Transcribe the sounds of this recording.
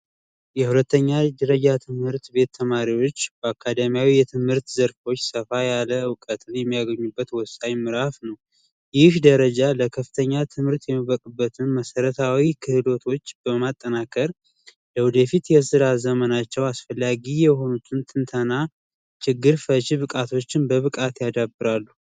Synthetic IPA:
jɛhulət̪ːəɲːad̪əɾəd͡ʒat̪ʰɨmhɨɾt̪be̞t̪ʰːəmaɾiwo̞t͡ʃːb̥əakʰːad̪əmijawijɛt̪ʰɨmhɨɾt̪zəɾfo̞t͡ʃːsəfajaləɨwkʼət̪ʰɨnjɛmːijaɡəɲːubːət̪wɔsʼajmɨɾafnəw | jɪhd̪əɾəd͡ʒaləkʰəfɨ̥t̪ʰəɲːat̪ʰɨmhɨɾt̪jɛmːibəkʼɨbːət̪ʰɨnməsəɾət̪ʰawikʰɨhɨlo̞t̪ʰo̞t͡ʃːb̥əmat̪ʼːənakʰəɾ | ləwud̪əfit̪jɛsɨɾazəmənat͡ʃːɛwasfəlːaɡijɛɦo̞nut̪ʰɨnt̪ʰɨnt̪ʰəna | t͡ʃɪɡːɨɾfət͡ʃiβɨkʼat̪ʰo̞t͡ʃːɪnbəβɨkʼat̪jad̪abɨɾalːu

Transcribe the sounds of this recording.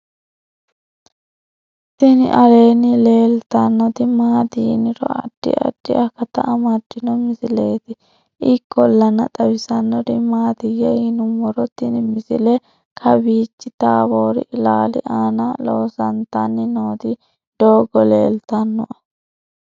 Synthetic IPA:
t̪ɪnɪ̰ʔɐle̞ːnːɪle̞ːlt̪ɐnːɔt̪ɪmaːt̪iːnɪɾɔ̰ʔɐ̰d̪̥ːɪ̰ʔɐ̰d̪̥ːɪ̰ʔɐkɐt̪ɐ̰ʔɐmɐd̪ːɪnɔmɪsɪle̞ːt̪ɪ | ʔɪkːɔlːɐnːɐ̰t̪ɐwɪsɐnːɔd̪ɪmaːt̪ɪjɛhɪnʊmɔɾɔt̪ːɪnɪmɪsɪlɛ | kʰɐbiːt͡ʃːɪt̪aːbo̞ːɾɪʔɪlaːlɪ̰ʔaːnɐloːsɐnt̪ɐnːɪnoːt̪ɪ | d̪̥oːɡɔlḛːlt̪ɐnːɔʔɐ̥

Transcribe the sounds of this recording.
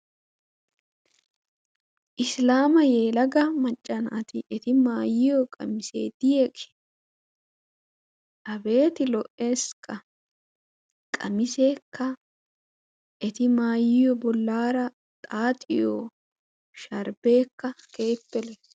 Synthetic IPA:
ʔɪslaːmɐje̞ːlɐɡɐmɐt͡ʃʼːɐnʔɐt̪ɪʔɛt̪ɪmaːjɪjɔkʼɐmɪsḛːd̪̥ɪjekʼɪ̥ | ʔɐbe̞ːt̪ɪlɔʔe̞ːskʰːɐ | kʼɐmɪseːkːɐ | ʔɛt̪ɪmaːjɪjɔbɔlːaːɾɐ | t̪ʼaːt̪ʼɪjo̰ː | ʃɐɾbe̞ːkːɐke̞ːt̪ːɛlɛ

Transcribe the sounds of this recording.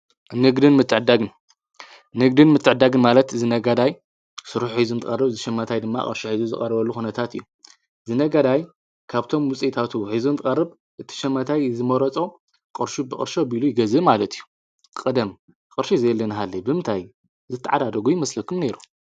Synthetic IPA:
nɨɡd̪ɨnmɨt̪ʰːɨʕɨd̪aɡɨn | nɨɡ̚d̪ɨnmɨt̪ʰːɨʕɨd̪aɡɨnmalɐt̪zɨnɐɡad̪aj | sɨɾuħħizunt̪ʼɨkʼɐrːɨβzɨʃɐmːɐt̪ʰajd̪ɨmːa̰kʼɨ̰ɾʃiħizuzɨkʼɐ̰rːɐβɐlːuxunɐt̪ʰat̪ɨ̰jːu | zɨnɐɡad̪aj | kʰaβt̪ʰo̞mwʊt͡sʼet̪ʰat̪ʰuħizunt̪ʰʼɨkʼɐrːɨβ | ʔɨt̪ʰi̥ʃɐmːɐt̪ʰajzɨmɐɾɐt͡sʼo | kʼɨɾʃubɨkʼɨ̰ɾʃobilujɪɡɐzɨmalɐt̪i̥jːu | kʼɨd̪ɐm | kʼɨɾʃizelːɐnɦalːɐbɨmɨnt̪ʰaj | zɨt̪ʰːɐʕad̪ad̪ɐɡujɪmɐslɐkʰːumne̞ɾu

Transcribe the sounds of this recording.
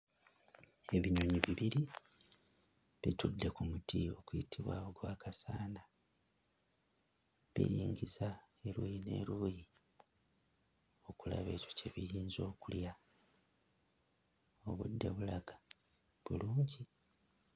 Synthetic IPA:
e̞βiɲoɲiβiβiɾi | βitudːe̞kumutio̞kuitʰiβwa̰oɡwaːkasaːna | βḭɾiːŋɡiza | eɾuːjine̞̰ɾuːji | o̞kula̰βe̞ːco̥ce̞βijiːnzo̞ːkulja | o̞βṵdːe̞βulaɡ̥ḁ | βuluːɲɟi

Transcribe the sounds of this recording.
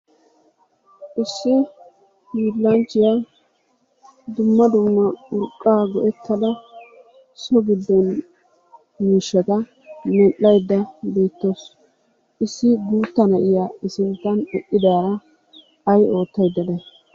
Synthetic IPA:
ʔɪsːɪ | wiːd̪lɐnt͡ʃːɪja | d̪ʊmːɐd̪ʊmːɐʊɾkʼːaːɡɔʔɛt̪ʰːɐd̪ɐ | sɔɡɪd̪ːɔn | miːʃːɛt̪ɐ | mɛʔːɐjd̪ːɐbe̞ːt̪ːos | ʔɪsːɪɡuːt̪ːɐnɐʔɪjaːɪsɪnt̪ːɐnɛʔːɪd̪aːɾɐ | ɐjo̞ːt̪ːɐjd̪ːɐd̪ɛ

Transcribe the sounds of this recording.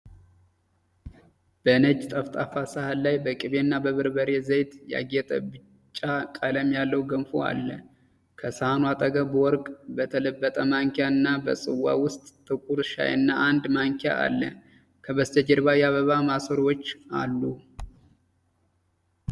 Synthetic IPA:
b̥ənəd͡ʒʼt̪ʼəft̪ʼafasahəlajbəkʼɨβenːabəβɨɾbəɾezəjt̪ja̰ɡet̪ʼəbɨ | t͡ʃʼːakʼələmjalːəwɡəmfo̰a̰lːə | kʰəsəhanwat̪ʼəɡəbwɔɾkʼbət̪ʰələbːət̪ʼəmaŋkʰejaɨnːabə̰sʼɨwːa̰wʊst̪ʼt̪ʼːɨkʼuɾʃa̰jɨ̰nːaʔand̪maŋkʰeja̰ʔa̰lːə | kʰəβəst̪ʰəd͡ʒɪɾbajaβəβamasoɾwot͡ʃːa̰lːu

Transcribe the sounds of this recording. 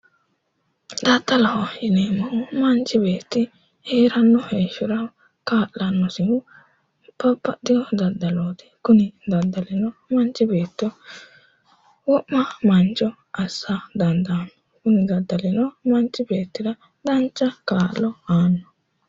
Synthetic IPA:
d̪̥ɐd̪ːɐlɐhɔjɪneːmːɔʊmɐnt͡ʃɪbe̞ːt̪ːɪ | heːɾɐnːɔhɛʃʊɾɐ | kaːʔːɐnːɔsɪwʊ | pːɐpːɐ̰d̪ɪjɔd̪ɐd̪ːɐloːt̪ɪ̥kʊnɪd̪ɐd̪ːɐlɪnɔmɐnt͡ʃɪbe̞ːt̪ːɔ | wɔʔːɐmɐnt͡ʃɔ | ʔɐsːɐd̪ɐnd̪ɐnɔ | kʊnɪd̪ɐd̪ːɐlɪnɔmɐnt͡ʃːɪbe̞ːt̪ːɪdɐ | d̪ɐnt͡ʃːɐkaːlːɔaːnːɔ̥

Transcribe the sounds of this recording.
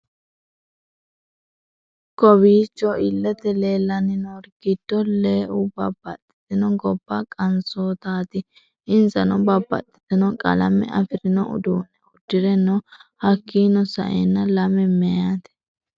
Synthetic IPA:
kɔbiːt͡ʃːɔɪlːɛt̪ɛle̞ːlːɐnɪnɔɾɡɪd̪̥ːɔleːʔʊbɐb̥ːɐt̪ʼːɪ̥t̪ɪnɔɡɔb̥ːakʼɐnsoːt̪aːt̪ɪ | ɪnsɐnɔbɐbːɐ̰t̪ʼːɪ̥t̪ːɪnɔkʼɐ̰lɐmːɛ̰ʔɐ̰fɪɾɪnɔʊ̰d̪uːnːɛʊd̪ːɪɾɛnːɔhɐkːiːnɔsɐ̰ʔɛ̰nːɐlɐmɛmɛjaːt̪ɛ̥

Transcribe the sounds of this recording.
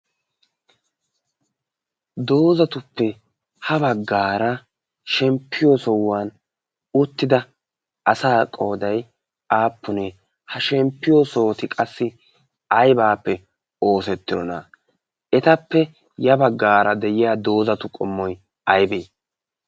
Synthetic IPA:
d̪o̞ːzɐt̪ʊpːɛ | hɐbɐɡːaːɾɐ | ʃɛmpːɪjosɔwːaːn | ʊt̪ːɪd̪ɐ | ʔɐsaːkʼo̞ːd̪ɐj | aːpːʊnɛ | hɐʃɛmpːɪjosoːt̪ɪkʼɐsːɪ | ɐjbaːpːɛ | o̞ːsɛt̪ːɪɾɔnɐ̰ | ʔɛt̪ɐpːɛ | jɐbɐɡːaːɾɐd̪ɛjɪjaːd̪o̞ːzɐt̪ʊkʼɔmːɔj | ɐjbe

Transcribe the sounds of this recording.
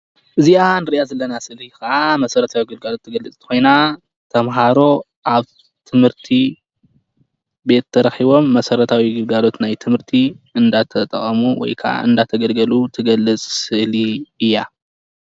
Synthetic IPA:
ʔɨzianɨɾijazɐlːɐnasɨʔlikʰɐʔamɐsɐɾɐt̪ʰawiɡɨlɡalo̞t̪ʰːɨɡɐlːɨt͡sʼt̪ʰɨ̥xo̞jna | t̪ʰɐmɦaɾo̞ | ʔaβ | t̪ʰɨmhɨɾt̪ʰi | bet̪ʰːɐɾɐxiβo̞mːɐsɐɾɐt̪ʰawiɡɨlɡalo̞t̪najt̪ʰɨmhɨɾt̪ʰiɨnd̪at̪ʰɐt̪ʼɐχʼɐmuwɔ̰jkʰɐʔa̰ɨ̰nd̪at̪ʰɐɡɐlɡɐlut̪ʰɨɡɐlːɨt͡sʼsɨʔliɨjːa

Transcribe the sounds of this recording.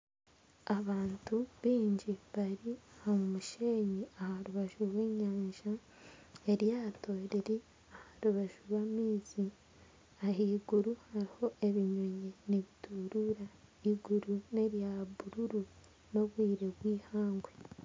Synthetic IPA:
aβaːntuβiːɲɟiβaɾihamumuʃeːɲiahaɾuβaʒuɾwe̞ːɲaːɲʒa | e̞ɾjaːto̞ːɾeɾi | ahaɾuβaʒuwamiːzi | aɦiːɡuɾuhaɾiho̞ʔe̞βiɲoɲeniβituɾuɾaiɡuɾune̞ɾjaβuɾuɾu | no̞βwiːɾe̞βwiːhaːŋɡwe̞

